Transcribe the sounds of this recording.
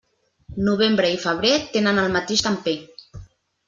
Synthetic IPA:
nuβ̞embɾəifəβ̞ɾet̪enənəlˠmat̪eʃt̪ampe

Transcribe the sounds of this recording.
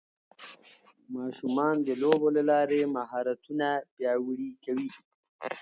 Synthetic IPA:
mɑʃumɑnd̪əlobolalɑɾemaɦɑɾat̪unapjɑwɽikawi

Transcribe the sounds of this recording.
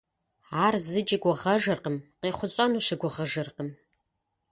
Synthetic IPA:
aːrzɨd͡ʒʼɪɡʷɔʁɐʒɨrqəmqeːχʷʊɕʼɐnuːɕɪɡʷɔʁɐʒɨrqəm

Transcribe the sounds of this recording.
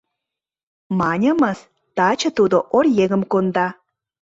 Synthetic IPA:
mɑnʲə̆məs | t̪ɑt͡ɕɤ̆t̪ud̪oʔorjeɣə̆mkond̪ɑ

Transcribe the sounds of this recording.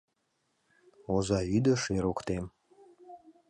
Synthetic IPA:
ozayd̪əʃeɾokt̪em

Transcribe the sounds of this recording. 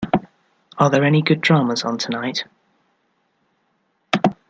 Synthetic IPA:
əðəɹɛniɡʊdɹɑːməzn̩tʰənaɪt

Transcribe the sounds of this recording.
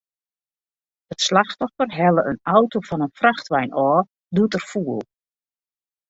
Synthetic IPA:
ətslaxtɔfərɦɛləʔənawtofɔnənfraxtʋɛjnʔɔː | dutərfuəlˠ

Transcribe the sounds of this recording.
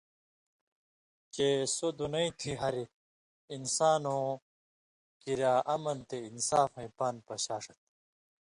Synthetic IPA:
t͡ɕesod̪unɐĩt̪ʰiɦɐɾi | insaːnõː | kiɾaːʔɐmɐnt̪einsaːfɐ̃ĩpɐnpɐɕaːʂɐt̪̚

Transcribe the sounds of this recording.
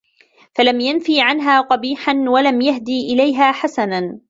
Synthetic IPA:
falamjanfiːʕanɦaːqɑbiːħanwalamjaɦd̪iːʔɪlajɦaːħasana

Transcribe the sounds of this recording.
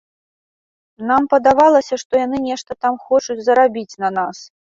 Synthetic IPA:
nampɐd̪avalˠɐsʲɐʂt̪ɔjanɨnʲɛʂt̪ɐt̪amxɔt͡ʂut͡sʲzɐɾabʲit͡sʲnɐnas

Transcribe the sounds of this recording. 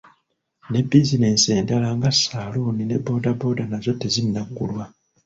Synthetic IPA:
ne̞bːizine̞ːnse̞ːndalaŋɡasaluːnine̞bo̞ːdabo̞ːdanazo̞tːezinːakːulwa

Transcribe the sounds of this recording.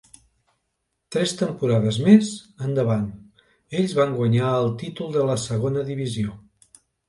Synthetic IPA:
t̪ɾɛst̪əmpuɾaðəzmezənd̪əβan | eʎzβaŋɡwəɲaəlˠt̪it̪ulˠd̪ələsəɣonəðiβizio

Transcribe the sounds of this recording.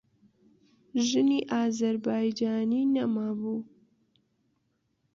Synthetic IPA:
ʒɨniːʔaːzɐɾbaːjd͡ʒaːniːnɐmaːbuː

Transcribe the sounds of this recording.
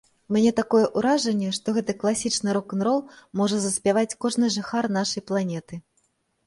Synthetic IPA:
mʲnʲɛt̪akɔjɛʔuɾaʐɐnʲːɛʂt̪ɔɣɛt̪ɨklˠasʲit͡ʂnɨɾɔkɐnɾɔlˠmɔʐɐzɐsʲpʲavat͡sʲkɔʐnɨʐɨxarnaʂɐjplˠanʲɛt̪ɨ

